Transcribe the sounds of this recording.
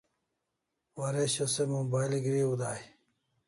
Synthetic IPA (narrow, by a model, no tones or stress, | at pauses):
wɐɾeɕɐsemobaːjlɡɾiud̪aːj